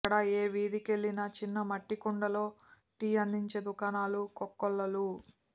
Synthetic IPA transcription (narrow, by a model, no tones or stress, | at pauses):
ɐɽɐːeːʋiːd̪ike̞ɭːinɐt͡ʃinːɐmɐʈːikɔɳɖɐlo̞ː | ʈiːɐnd̪iɲt͡ʃe̞ːd̪ukaːnaːlukɔkːɔɭːɐlu